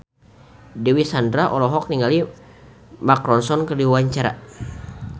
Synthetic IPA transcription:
dɛwisandɾaʔɔlɔɦɔk̚niŋɡali | makɾɔnsɔnkərdiwaɲt͡ʃaɾa̰

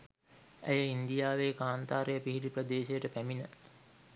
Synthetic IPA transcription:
æjəind̪ijaːʋeːkaːnt̪aːɾejəpiɦiʈiprəd̪eːʃejəʈəpæminə

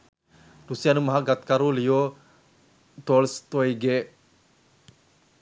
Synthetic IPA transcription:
dusijanumaɦaɡat̪̚kaɾulijo | t̪olst̪ojɡe

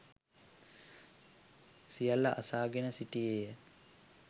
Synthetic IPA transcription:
sijalːɐʔasaːɡenəsiʈijeːjə

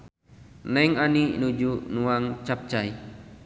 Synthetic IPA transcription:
nɛŋaninud͡ʒuʔnuaŋt͡ʃap̚t͡ʃaj

